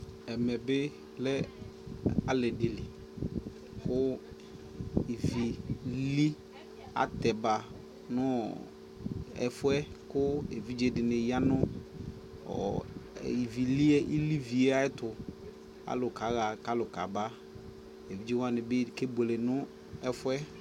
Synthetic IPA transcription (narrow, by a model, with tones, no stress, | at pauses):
ɛ˨mɛ˨bɪ˦ | lɛ˦ | a˨lɛ˨dɪ˨li˨ | kʊ˦ | i˨vi˨li˦ | a̰˨˦tɛ˨ba˨ | nʊ˦ | ɛ̰˨fʊ˦ɛ˦kʊ˦e˨vi˦d͡ʒe˦dɪ˨nɪ˨ja˦nʊ˦ | ɔ̰˨ | i˨vi˨li˦ɛ˦ʔi˦li˦vi˨˦a˦ɪ˦tʊ˨ | a̰˨˦lʊ˨ka˨˦ɣa˨ka˦lʊ˨ka̰˨ba˦ | e˨vi˨˦d͡ʒe˦wa˦nɪ˨bɪ˦˨ke˦be˨le˨nʊ˦ | ɛ˦fʊ˦ɛ˦